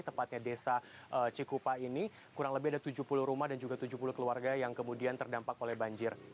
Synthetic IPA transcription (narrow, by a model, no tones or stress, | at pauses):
t̪əmpat̪̚ɲadesaʔət͡ʃikupaini | kuɾaŋləbɪhadat̪ud͡ʒuhpuluhɾumahdand͡ʒuɡat̪ud͡ʒuhpuluhkəluarɡajaŋkəmudiant̪ərdampakolɛhbaɲd͡ʒɪr